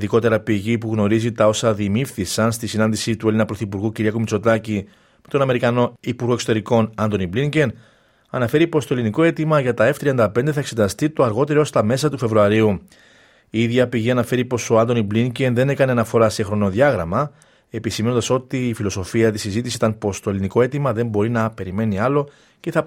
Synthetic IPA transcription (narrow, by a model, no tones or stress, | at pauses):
ðiko̞t̪e̞ɾɐpiʝipuɣno̞ɾizit̪ɐo̞sɐðimifθisɐnst̪isinɐnd̪isit̪ue̞linɐpɾo̞θipuɾɣuciɾiɐkumit͡so̞t̪ɐci | me̞t̪o̞nɐme̞ɾikɐno̞ipuɾɣo̞kso̞t̪e̞ɾiko̞nɐnt̪o̞nibliɲɟe̞n | ɐnɐfe̞ɾipo̞st̪oeliniko̞e̞t̪imɐʝɐt̪ɐe̞ft̪ɾiɐnd̪ɐp̞nd̪e̞θɐe̞kse̞t̪ɐst̪it̪o̞ɐɾɣo̞t̪e̞ɾost̪ɐme̞sɐt̪ufe̞vɾuɐɾiu | iiðʝɐpiʝiɐnɐfe̞ɾipo̞so̞ɐnt̪̬o̞nibliɲɟe̞nðe̞ne̞kɐneɐnɐfo̞ɾɐse̞xɾo̞no̞ðʝɐɣɾɐmɐ | e̞pisime̞nond̪ɐso̞t̪iːfilo̞so̞fiɐt̪isizit̪isit̪ɐnpo̞st̪o̞e̞liniko̞e̞t̪imɐðe̞mbo̞ɾinɐpe̞ɾime̞niɐlo̞ | ce̞θɐ